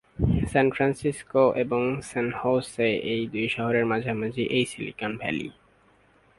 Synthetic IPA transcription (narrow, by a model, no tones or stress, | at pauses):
sɛnfɾansiskoʔeboŋsɛnhowseejd̪ujʃɔɦoɾeɾmad͡ʑʱamad͡ʑʱiʔejsilḭkanbʱɛ̰lḭ